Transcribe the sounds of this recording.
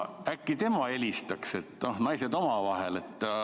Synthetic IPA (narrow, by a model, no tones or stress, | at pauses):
ækːit̪e̞mɑe̞lʲist̪ɑkse̞t̪ːno̞hnɑjse̞d̪̥o̞mɑvɑɦe̞le̞t̪ːˑ